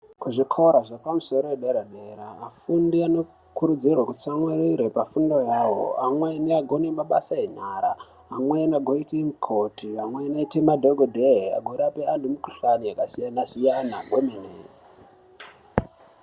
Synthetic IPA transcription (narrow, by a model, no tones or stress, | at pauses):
kuʐikʰoɾaʐapamuso̞ɾoweɗeɾaɗeɾaːfundiano̞ | kuɾud͡zirwakut͡samweɾiɾepafundo̞jawo̰amweneaɡʱo̞nemaɓa̰saen̤aːɾaː | mwenaɡʱoitimukʰotiamwenaitemadʱoɡʱodʱeɦa̰ɡʱoɾapean̤umukuɬanijakasijanasijanamʱomine